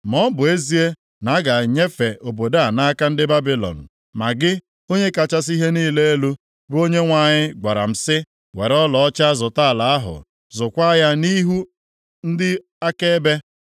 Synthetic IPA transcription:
mɔ˦m̩˦bʊ˨e˦zi˦e˦ | na˨˦ɡa˨ɲe˦fe˨o˨bo˨da˦a˨na˦a˦ka˦n̩˦dɪ˦ba˦bi˦lɔ̰˨n̩˨ | ma˨ɡɪ˦ | o˦ɲe˦ka˨t͡ʃa˦s̬i˦ɦe˦niː˦le˦e˦lu˦ | bo˦ɲe˦ŋʷa˨ɲɪ˦ɡa˨ɾa̰˨m̩˨sɪ˦ | we˨ɾɔ˦lɔ˨ɔ˦t͡ʃa˦zʊ˨ta˦˨la˨a˦ɦʊ̰˨ | zʊ˨kʷa˦ja˦ni˦ɦu˦ | n̩˦dɪ˦ | a˦ke˦be˦

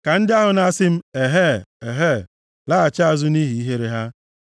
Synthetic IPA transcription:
ka˨n̩˦dɪ˦a˦ɦʊ˨na˦sɪ˦m̩˦e˨ɦe˦e˨ɦe˦˨ | la˦a˨t͡ʃa˦a˨zʊ˦ni˦ɦi˨i˦ɦe˦ɾe˨ɦa˦

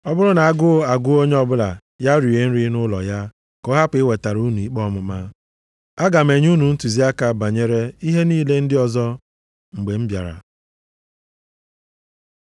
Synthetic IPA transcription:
ɔ˦bʊ˦ɾʊ˦na˨a˦˨ɡʊ˦a˨ɡʊ˦o˦ɲ˦ɔ˦bʊ˦la̰˨ | ja˦ɾi˨e˨n̩˦ɾi˦nʊ˦lɔ̰˨ja˦ | kɔ˦ɦa˦pɪ˨˦ɪ˦we˨ta˨ɾu˦nu˨i˨k͡pɔ˦mʊ˨ma˦ | a˦ɡa˨me˨ɲ˦u˦nu˨n̩˦tu˨zi˦a˦ka˨ba˨ɲe˦ɾe˦i˦ɦe˦niː˦˨le˦n̩˦dɪ˦ɔ˨zɔ˦ | ŋ͡m̩˨ɡ͡be˨m̩˦bja̰˨ɾa̰˨

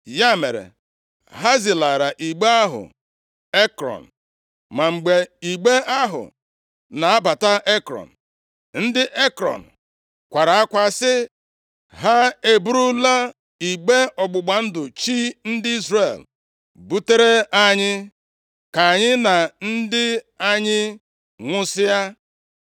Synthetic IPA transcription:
ja˦me˨ɾḛ˨ | ɦa˦zi˨la˨ɾa˨ʔi˨ɡ͡be˦a˦ɦʊ̰˨ | e˦kɾɔ̰˨n̩˨ | ma˨ŋ͡m̩˨ɡ͡be˨i˨ɡ͡be˦a˦ɦʊ̰˨ | na˨a˦ba˨ta˦ʔe˦kɾɔ̰˨n̩˨ | n̩˦dɪ˦ʔe˦kɾɔ̰˨n̩˨ | kʷa˨ɾa˨a˦kʷa˨sɪ˦ | ɦa˦e˨bu˦ɾu˦la˦ | i˨ɡ͡be˦ɔ˨ɡ͡bʊ˨ɡ͡ba˨n̩˦dʊ˨t͡ʃi˦n̩˦dɪ˦i˦zre˨l | bu˦te˦ɾe˦a˦ɲɪ˦ | ka˨ɲɪ˦na˨n̩˦dɪ˦ | a˦ɲɪ˦ | ŋʷʊ˦sɪ˦ja˦

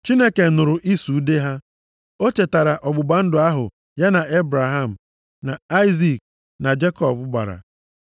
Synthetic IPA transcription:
t͡ʃi˦ne˦ke˨nʊ˨ɾʊ˨ʔi˦su˨˦de˦ɦa˦ | o˦t͡ʃe˨ta˨ɾa˨ʔɔ˨ɡ͡bʊ˨ba˦n̩˦dʊ˨a˦ɦʊ̰˨ | ja˦na˨e˦bɾa˨ɦa˦˨m̩˨ | na˨a˦ɪ˦zi˨k̚ | na˨d͡ʒe˦kɔ˦bʊ˦ɡ͡ba̰˨ɾa̰˨

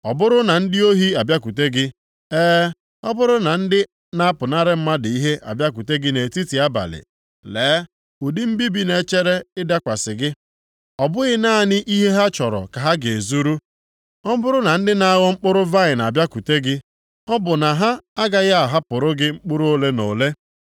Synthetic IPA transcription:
ɔ˨bʊ˦ɾʊ˦na˨n̩˦dɪ˦o˦ɦi˦a˨bja˦ku˨te˦ɡɪ˦ | eː˦ | ɔ˦bʊ˦ɾʊ˦na˨n̩˦dɪ˦ | na˦pʊ˨na˦ɾɪ˦m̩˦ma˦dɪ˨i˦ɦe˦ʔa̰˨bja˦k̬u˨te˦ɡɪ˦ne˨ti˦ti˨a˦ba̰˨lɪ̰˨ | leː˨˦ | u˨dɪ˦m̩˦bi˦bi˦ne˨˦t͡ʃe˦ɾe˦ɪ˦da˦kʷa˨sɪ˨ɡɪ˦ | ɔ˨bʊ˦ɣɪ˦na˦˨nɪ˦ʔi˦ɦe˦ɦa˦t͡ʃɔ˨ɾɔ̰˨ka˨ɦa˦ɡe˨e˨zu˦ɾu˦ | ɔ˦bʊ˦ɾʊ˦na˨n̩˦dɪ˦na˦ɣɔ˦ŋ͡m̩˦k͡pʊ˦ɾʊ˦va˦ɪ˨n˨a˨bja˦ku˨te˦ɡɪ˦ | ɔ˦bʊ˨na˨ɦa˦a˦ɡa˦ɣa˦a˨ɦa˦pʊ˨ɾʊ˦ɡɪ˦ŋ͡m̩˦k͡pʊ˦ɾu˦o˦le˦no˨le˦

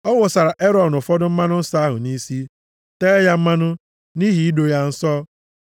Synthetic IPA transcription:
ɔ˦wʊ˨sa˨ɾa˨ʔe˦ɾɔ˨n˨ʊ˨fɔ˦dʊ˦m̩˦ma˦nʊ˦n̩˦sa˦a˦ɦʊ̰˨ni˦si˦ | teː˦ja˦m̩˦ma˦nʊ˦ | ni˦ɦi˨˦i˦do˨ja˦n̩˦sɔ˦

